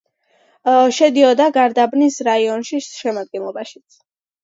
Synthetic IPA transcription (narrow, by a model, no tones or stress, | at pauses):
ʃɛd̪iɔd̪aɡaɾd̪abnisɾaiɔnʃiʃɛmad̪̚ɡɛnlˠɔbaʃit̪sʰ